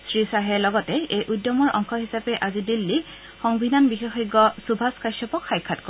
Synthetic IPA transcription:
sɹisaɦɛlɔɡɔtɛejʔudjɔmɔɹʔɔ̰ŋxʰɔɦisapɛʔazidilːi | xɔŋbʱinanbixexɔɡːɔsubʱaskasɔpɔkxajkʰːat̚kɔ

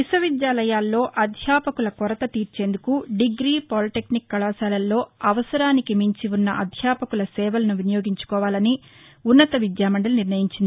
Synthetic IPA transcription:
ʋisɐʋid̪jaːlɐjaːlːo̞ːʔɐd̪ʱjaːpɐkulɐkɔɾɐt̪ɐt̪iːɾt͡ʃe̞ːnd̪ukuɖiɡɾiːpolʈeknikːɐlaːsaːlɐlːo̞ːɐʋɐsɐɾaːnikimiɲt͡ʃiunːɐʔɐd̪ʱjaːpɐkulɐsɛːʋɐlɐnuʋinɐjo̞ːɡiɲt͡ʃu̥kɔːʋaːlɐni | unːɐt̪ɐʋid̪jaːmɐɳɖɐluniɾnɐjiɲt͡ʃind̪ii

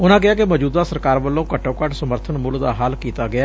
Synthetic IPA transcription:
ʊnãːk̬ɪaːkɪməd͡ʒuːd̪aːsəɾkaːɾʋəlːõːkəʈːõːkəʈsəməɾt̪ʰənmʊld̪a̰ːɦaːlkiːt̪aːɡɪaː

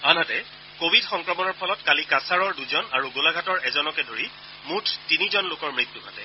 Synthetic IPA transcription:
anɦatɛ | kobʱidxɔŋkɹɔmɔnɔɹpʰɔlɔtkalikasaɹɔɹduzɔnaɹuɡolaɡʱatɔɹɛzɔnɔkɛdoɹi | mutʰtinizɔnlokɔɹmɹit̪ːukʰatɛ

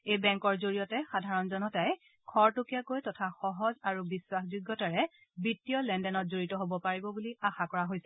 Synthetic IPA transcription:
ejbɛŋkɔɹzoɹijɔtɛxadʱaɹɔnzɔnɔtaj | kʰɔɹtokijakojtɔtʰaxɔɦɔzaɹubiswaxzuɡːɔtaɹɛ | bitːiɔlɛndɛnɔt̚zoɹitɔɦobɔpaɹibɔbuliaxakɔɹaɦojsɛ

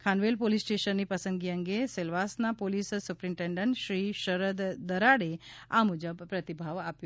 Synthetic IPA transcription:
kʰanʋelpolisːʈeɕənːiːpəsənɡiəŋɡeselʋasnapolissupɾiɳʈeɳɖəɳʈɕɾiːɕəɾəd̪d̪əɾaɽeamud͡ʒəbpɾət̪ibʱaʋapjo

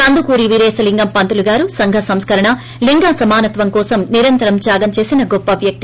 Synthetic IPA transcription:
tɐnd̪ukuːɾiʋiɾeːsɐliŋɡɐmpɐnt̪uluɡaːɾusɐŋɡʱɐsɐmskɐɾɐɳɐ | liŋɡaːsɐmaːnɐt̪ʋɐmkɔːsɐmniɾɐnt̪ɐɾɐmt͡ʃaːɡɐmt͡ʃe̞ːsinɐɡɔpːɐʋjɐk̚t̪i

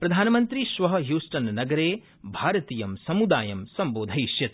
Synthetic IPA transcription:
pɾɐd̪ʱaːnɐmɐnt̪ɾiʃʋɐɦɐɦjuːsʈɐnnɐɡɐɾeː | bʱaːɾɐt̪iːjɐmsɐmud̪aːjɐmsɐmboːd̪ʱɐjʃjɐt̪

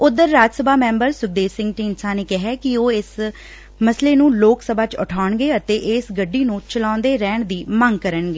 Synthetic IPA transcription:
ʊd̪əɾːaːd͡ʒsəbaːmɛ̃ːmbəɾsʊɡd̪eːsɪ̃ŋɡʈiːnsãːneːkɪɦɛːkɪoːɪs | məsleːnũːloːksəbaːt͡ʃʊʈʰaːɳɡeːət̪eːʔɪsɡəɖːiːnũːt͡ʃəlãːnd̪eːɾɛ̃ːɳd̪iːməŋɡkəɾəɳɡeː

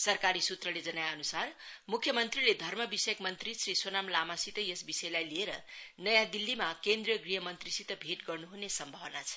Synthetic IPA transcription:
sʌrkaɾisut̪rʌled͡zʌnajaːnusarmukʰːjʌmʌnt̪riled̪ʱʌrmʌbisjʌkmʌnt̪risriswonamlamasit̪ʌjʌsbisʌjlajlieɾʌnʌjãd̪ilːimakend̪rijʌɡriɦʌmʌnt̪risit̪ʌbʱeʈɡʌrnuɦunesʌmbʱʌwʌnat͡sʰʌ̥

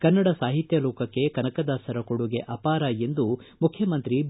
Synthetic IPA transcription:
kɐnːɐɽɐsaːɦit̪jɐlɔːkɐkːe̞kɐnɐkɐd̪aːsɐɾɐkoɽuɡeʔɐpaːɾaje̞nd̪umukʰjɐmɐnt̪ɾib

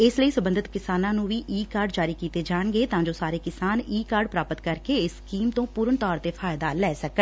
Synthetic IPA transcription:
ɪsləiːsəbənd̪ʱət̪kɪsaːnãːnũːʋiːʔiːkaːɾɖd͡ʒaːɾiːkiːt̪eːd͡ʒaːɳɡeːt̪ãːɲd͡ʒoːsaːɾeːkɪsaːniːkaːɾɖpɾaːpət̪kəɾkeːɪsːkiːmt̪õːpuːɾəɳt̪ɔːɾt̪eːfʰaːjd̪aːlɛːsəkə

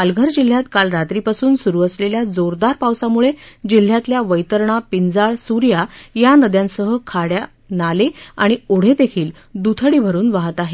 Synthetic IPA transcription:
alɡʱəɾd͡ʑil̤ːjat̪kalɾat̪ɾipasuːnsuɾuːəsleljad͡zoɾd̪aɾpawsamuɭed͡ʑil̤ːjat̪ljaʋəjt̪əɾɳapind͡zaɭsuɾjajanəd̪jãnsəɦəkʰaɽja | naleaɽ̃ioɽ̤ed̪ekʰiːl | d̪ut̪ʰəɽiːbʱəɾuːnʋaɦət̪aɦe

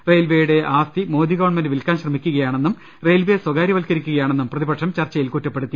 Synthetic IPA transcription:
rejlʋejuɽe̞ʔaːst̪imo̞ːd̪iɣɐʋɐɳmɐndɨʋilkaːnɕrɐmikʲːuɣɐjaːɳe̞nːum | rejlʋeswɐɡaːɾjɐʋɐlkɐɾikʲːuɣɐjaːɳe̞nːumprɐðibɐʈʂɐmt͡ɕɐrt͡ɕːɐjilkutːɐpːe̞ɽut̪ːi

